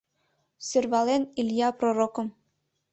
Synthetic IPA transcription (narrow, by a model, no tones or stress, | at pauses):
sørβɑleniljɑproɾokɤ̆m